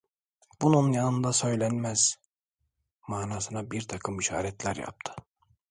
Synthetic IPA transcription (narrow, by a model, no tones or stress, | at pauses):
b̥ununjanɯnd̪asø̞jlʲænmæz̥ | maːnaːsɯnabiɾt̪ʰɑkʰɯmiʃa̰ːɾɛt̪lʲæɾja̰p̚t̪ʰɯ̥